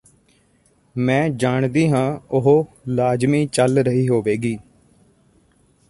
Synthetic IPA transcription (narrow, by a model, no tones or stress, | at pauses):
mɛ̃ːd͡ʒaːɳd̪iːɦãːʊɦoːlaːd͡ʒmiːt͡ʃəlɾəɦiːɦoːʋeːɡiː